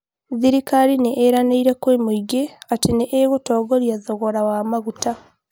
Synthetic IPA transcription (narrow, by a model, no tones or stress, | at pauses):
ðiɾikaɾineʔːɾaneiɾekwemuiɡeatineʔːɣutoːɡoɾjaðoɣoɾawamaɣuta